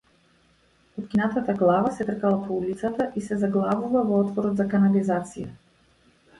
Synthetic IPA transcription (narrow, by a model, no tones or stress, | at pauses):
ɔt̪kʲinat̪at̪aɡlˠavasɛt̪r̩kalˠapʰɔulit̪sat̪aʔisɛzaɡlˠavuvavɔɔt̪vɔɾɔd̪zakanalizat̪sija̰